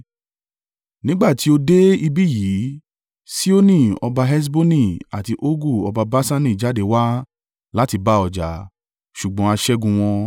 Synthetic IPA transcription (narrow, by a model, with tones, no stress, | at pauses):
nĩ˦ɡ͡ba˦˨ti˨˦o˧de˦i˧bi˦ji˨˦ | si˦o˦nĩ˦˨ɔ˧ba˧ɦɛ˦s̬bo˦nĩ˦˨a˨ti˧ʔo˦ɡu˦˨ɔ˧ba˧ba˦sa˦nĩ˦˨d͡ʒa˦de˨wa˦ | la˦ti˧ba˦ɔ˨d͡ʒa˨˦ | ʃu˨ɡ͡bɔ̃˨˦a˧ʃɛ˦ɡũ˧w̃ɔ̃˧